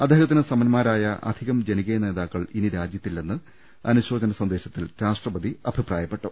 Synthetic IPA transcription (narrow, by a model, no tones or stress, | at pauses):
ɐd̪ːeːhɐt̪ːinɨsɐmɐnmaːɾaːjɐʔɐ̰d̪ʱiɣɐmd͡ʑe̞niɣene̞ːðaːkːɐɭiniɾaːd͡ʑjɐt̪ːilːnenːɨ | ɐnuɕo̞ːd͡ʑɐnɐsɐnd̪e̞ːɕɐt̪ːilɾaːʂʈrɐbɐd̪iɐbʱipraːjɐpːe̞ʈːu